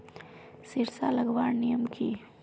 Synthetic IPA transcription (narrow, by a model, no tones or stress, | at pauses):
siɾsaːləɡwaːɽnijəmkʰi